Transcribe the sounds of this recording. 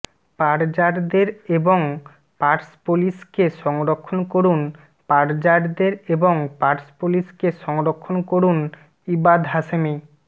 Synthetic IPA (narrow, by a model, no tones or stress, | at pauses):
paɾd͡ʑaɾd̪eɾeboŋ | paɾspuliskeʃɔŋɾokʰːonkoɾun | paɾd͡ʑaɾd̪eɾeboŋpaɾspuliskeʃɔŋɾokʰːonkoɾun | ibad̪ɦaʃemi